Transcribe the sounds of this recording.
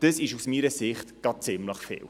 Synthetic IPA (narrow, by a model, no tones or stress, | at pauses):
d̥əsɪʃusmiːɾəsɪχt̪ɡ̥ɑt̚t͡sɪmləχfɪ̰ːw